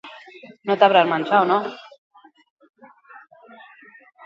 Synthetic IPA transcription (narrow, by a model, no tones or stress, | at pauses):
not̪aβɾaɾmansaono